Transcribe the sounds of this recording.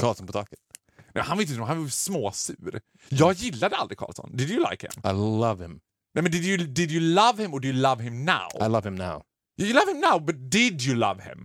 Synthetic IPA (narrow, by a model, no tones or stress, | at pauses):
kʰɑːlˠsɔ̃n̩pətɑkɨt̚ | nɛmhãnvɪɪnhanvɪsmoːsʉ̰ːɾ | jɑːɡjɪlːad̪əa̰ld̪ɾɪkʰɑ̰ːlˠsɔ̰̃nd̪ɪdjəla̰ɪkhɪ̰̃maɪlʌv̥hɪ̃m | nɛmənd̪ɪdjɨdɪdjɨlʌvhɪ̃mɔdɪjəlʌvhɪ̃mna̰ʊaɪlʌv̥ɪ̃mna̰ʊ | jajəlʌv̥hɪ̃mnaʊbʌt̪̚d̪̥ɪdjɨlʌ̰vhɪ̰̃m